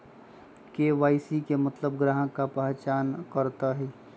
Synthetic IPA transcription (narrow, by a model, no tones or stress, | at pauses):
keʋaːɪsikemət̪ləb̚ɡɾaːɦə̃kapɛɦt͡ʃaːnkəɾt̪aɦiː